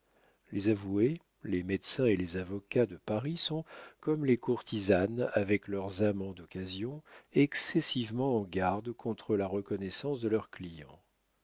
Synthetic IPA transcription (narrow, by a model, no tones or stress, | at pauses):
lezavue | lemɛd̪sɛ̃elezavɔkad̪əpaʁisɔ̃kɔmlekuʁt̪ʰizanavɛklœʁzamɑ̃d̪ɔkazjɔ̃ɛksɛsivmɑ̃ɑ̃ɡaʁd̪kʰɔ̃t̪χəlaʁəkɔnɛsɑ̃sd̪əlœʁklijɑ̰̃